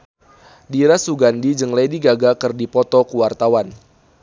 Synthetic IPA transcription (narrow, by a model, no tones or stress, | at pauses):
diɾasuɡandid͡ʒəŋlejdiɡaɡakɨrdipɔt̪ɔkuwart̪awan